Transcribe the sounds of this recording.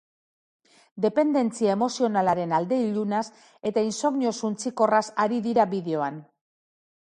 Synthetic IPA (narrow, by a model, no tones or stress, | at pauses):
d̪e̞pe̞nd̪e̞nt͡siae̞mo̞sio̞nalaɾe̞nald̪e̞iʎunas | e̞t̪ainso̞ɣnio̞sunt͡siko̞rasaɾiðiɾaβiðe̞o̞an